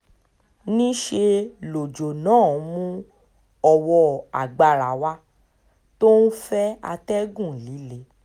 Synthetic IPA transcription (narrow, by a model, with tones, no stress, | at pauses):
nĩ˦ʃe˧lo˨d͡ʒo˨nãː˨˦˨mũ˦ | ɔ˧wɔ˧a̰˨ɡ͡ba˨ɾa˨wa˧˦ | to˦nũ˦fɛ˦a̰˧tɛ˦ɡũ˦˨li˨˦le˨˦